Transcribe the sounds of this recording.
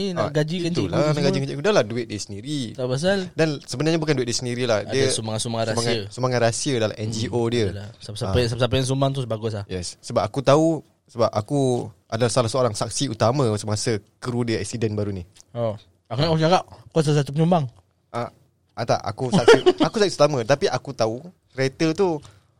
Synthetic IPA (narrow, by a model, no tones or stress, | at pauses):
inaɡad͡ʒikat̪uladaŋɡad͡ʒiɡd͡ʒiʔkudaladuɪt̪̚diəsəndiɾit̪abas̬aldansəbənarɲabukanduet̪̚diəsəndiɾilahdiəsumaŋasumaŋaɾasmaaəsumaŋat̪rasiədala̰mɛnd͡ʒiʔodiəsasaasapsap̬ajɛns̬umbaŋt̪̬usbaɡʊs̬ahjɛsːəbap̚akut̪au | səbap̚akuadalahsalahsəoɾaŋsak̚siut̪amə̃səmaasəkəɾudiəɛ̰k̚sidɛnbaɾunio | akunakt͡ʃakap̚kɔs̬as̬at̪upəɲumbaŋ | ʔa | at̪a̰ʔa̰kuak̚iakusakiut̪amə̃t̪apiʔakut̪au | ɾet̪ət̪u